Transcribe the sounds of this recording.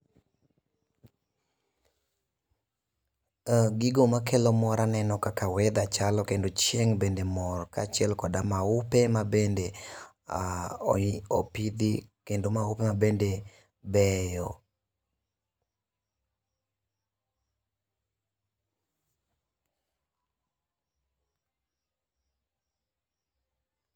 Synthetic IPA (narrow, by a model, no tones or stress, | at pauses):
ɡɪɡomakʰelɔmɔɾanɛnɔkakawɛd̪at͡ʃalɔkendot͡ʃeŋbendemɔrkat͡ʃɛlkɔdamaʊpemabende | a | opid̪ikendomaupemabende | bɛjɔ